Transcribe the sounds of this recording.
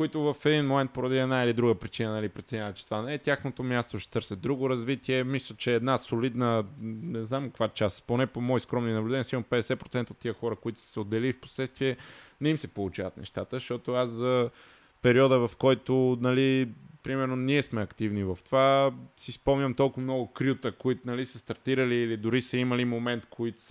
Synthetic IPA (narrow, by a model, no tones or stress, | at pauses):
koit̪ʊvɐfɛd̪inmomɛ̃nt̪̚poɾɐd̪iɛd̪nailid̪ɾuɡəpɾit͡ʃinənɐlipɾɛt̪sɛɲʲavət͡ʃɛ̥t̪ovanɛɛt̪ʲjaxnot̪omjast̪oʃɛ̥t̪ɤɾsʲəd̪ɾuɡoɾɐzvit̪iɛmislʲət͡ʃɛːd̪nasolid̪nənɛznamkəkvat͡ʃasponɛpomɔjskɾɔmninɐblʲdɛnisimopɛd̪ɛsɛpɾot̪ɛnt̪əot̪ːijəxɔɾəkoit̪ʊ̥si̥sɛod̪ːɛliːfpo̥slɛt̪st̪viɛnɛimsɛpolˠut͡ʃavɐt̪nɛ̰ʃt̪at̪əʃɔt̪oaszɐ | pɛɾiɔd̪əvɐfkɔjt̪onɐlipɾimɛɾnoniɛsmɛɐkt̪ivnivɐft̪ovasispɔmnʲɐmt̪ɔlˠkʊvmnɔɡʊkɾʲut̪əkoit̪nɐlisəst̪ɐɾt̪iɾəliːlid̪ʊɾisəiməlimomɛnt̪kʰoit̪ʊ̥s